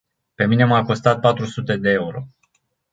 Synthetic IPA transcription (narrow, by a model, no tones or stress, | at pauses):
pe̞mineamako̞st̪at̪̚pat̪ɾusut̪e̞d̪e̞euɾo̞